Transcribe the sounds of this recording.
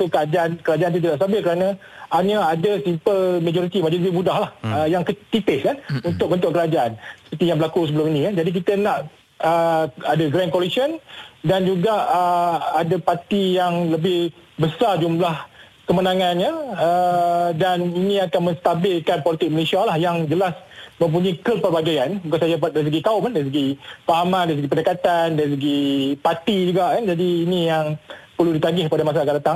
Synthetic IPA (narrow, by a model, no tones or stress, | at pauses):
t̪ukəad͡ʒaankəɾad͡ʒant̪ut̪̬idaʔs̬t̪abɪlkəɾanã | aɲaadəsimpəlmad͡ʒoɾit̪imad͡ʒoɾit̪ibudahlahəjaŋkət̪it̪ɪskanunt̪ʊk̚bənt̪ʊʔkəɾad͡ʒaʔansə̥pərt̪ijãŋbəlakusəbəlʊminĩad͡ʒadik̬it̪ənãʔ | əadaɡɾankolisəndand͡ʒuɡaʔəadapat̪ijaŋləbɪhbəsard͡ʒumlah | kəmənãŋãnɲəədaninĩakanmə̃st̪abɪlkanpolit̪ɪk̚məlesialahjaŋd͡ʒəlas | mə̃mp̬uɲikəpərbaɡajanbukansad͡ʒapadaɾisəɡik̪aʊpandaɾisəɡifaɦamãndaɾis̬əɡipənəkat̪andaɾis̬əɡipat̪id͡ʒuɡaʔkand͡ʒadiːnijaŋpərludit̪aɡɪhpadamas̬akadat̪aŋ